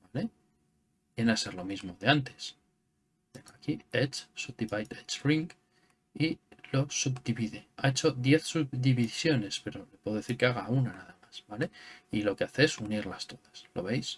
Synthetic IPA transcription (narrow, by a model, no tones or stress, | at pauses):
bale̞ | bjenase̞ɾlo̞mizmo̞ðeant̪e̞̥s | t̪e̞ŋɡoakiet͡ʃsub̚d̪iβajt̪et͡ʃriŋk | ilo̞subd̪iβiðeaet͡ʃo̞ðje̞θsubd̪iβisjo̞ne̞spe̞ɾo̞lepweðoeθiɾkeaɣaunanaðamasbale̞ilo̞ke̞aθeesuniɾlast̪o̞ðaslo̞̰βe̞js